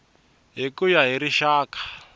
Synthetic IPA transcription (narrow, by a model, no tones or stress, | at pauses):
ɦikujaɦiɾiʃaːkḁ